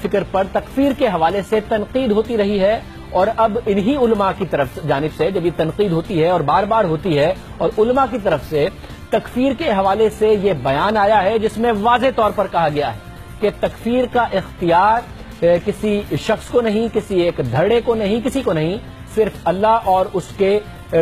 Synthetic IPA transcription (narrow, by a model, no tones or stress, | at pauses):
fɪkɾpɐɾt̪ɐkfiːɾkeɦɐʋaːleset̪ɐnqiːd̪ɦoːt̪iɾɐɦiɦɛ | ɔːɾɐbɪnɦiʊlmakit̪ɐɾəfsd͡ʒaːnɪbsed͡ʒɐbjet̪ɐ̃nqiːd̪ɦoːt̪iɦɛɔːɾbaːɾbaːɾɦoːt̪iɦɛ | ɔːɾʊlmakit̪̬ɐɾəfse | t̪ɐkfiːɾkeɦɐʋaːlesejebɐjaːnaːjaɦɛd͡ʒɪsmẽʋaːzet̪ɔːɾpɐɾkɐɦaɡɐjaɦɛː | ket̪ɐkfiːɾkaʔɪxt̪ijaːɾ | kɪsiʃɐxskonɐɦĩkɪsieːkd̪ʱɐɽekonɐɦĩkɪsikonɐɦĩ | sɪɾfɐlːaɦɔːɾʊske